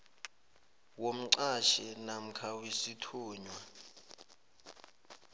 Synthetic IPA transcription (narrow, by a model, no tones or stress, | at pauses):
wom̩ǀaʃɛnam̩kʰawisitʰuːɲwa